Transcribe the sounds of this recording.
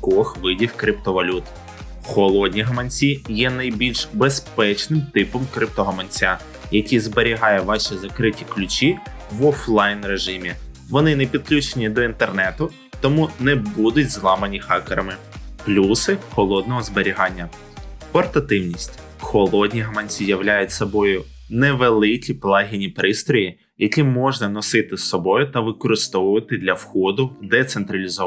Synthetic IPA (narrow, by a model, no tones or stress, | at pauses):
kɔxʋɪdʲiwkɾɪp̚t̪ɔʋɐlʲut̪ | xɔlˠɔdʲnʲiɦɐmɐnʲt͡sʲijɛnɐjbʲilʲʃbespɛt͡ʃnɪmt̪ɪpɔmkɾɪp̚t̪ɔɦɐmɐnʲt͡sʲa | jɐkʲizbeɾʲiɦɑjɛʋɑʃʲizɐkɾɪtʲi̥klʲʊt͡ʃʲi | ʋɔflˠɑjnɾeʒɪmʲi | ʋɔnɪnɛpʲid̪̚klʲut͡ʃenʲid̪ɔint̪ernɛt̪ʊ | t̪ɔmunɛbud̪ʊtʲzlˠɑmɐnʲixɑkeɾɐmɪ | plʲusɪxɔlˠɔd̪̚nɔɦɔzbeɾʲiɦɑnʲːɐ | pɔrt̪ɐt̪ɪwnʲisʲtʲ | xɔlˠɔdʲnʲiɦɐmɐnʲt͡sʲijɐʋlʲajʊtʲsɔbɔjʊ | nɛʋelˠɪkʲiplˠɑɦʲinʲipɾɪst̪ɾɔji | jɐkʲimɔʒnɐnɔsɪt̪ɪsɔbɔjʊt̪ɐʋɪkɔɾɪst̪ɔʋʊʋɐt̪ɪd̪lʲɐwxɔd̪ʊd̪ɛt̪sent̪ɾɐlʲizɔ